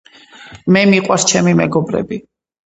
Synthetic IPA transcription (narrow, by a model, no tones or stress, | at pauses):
mɛmiqʼwaɾst͡ʃʰɛmimɛɡɔbɾɛ̰bi